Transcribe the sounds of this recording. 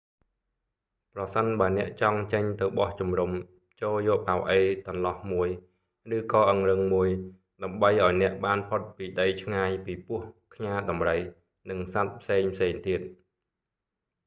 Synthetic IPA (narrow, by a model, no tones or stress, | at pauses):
prɑsənɓaənɛ̆əʔt͡ɕɑŋt͡ɕəɲt̪ɨwɓɑht͡ɕumrum | t͡ɕoːljɔːʔpawʔəjt̪onlɑhmuəj | rɨːkɑːʔəŋrɨŋmuəj | ɗaəmɓəjʔaɔjnɛ̆əʔɓaːnpʰot̪̚piːɗəjt͡ɕʰŋaːjpiːpʊəhkʰɲaːɗɑmrəj | nɨŋsat̪̚pʰseːŋpʰseːŋt̪iət̪̚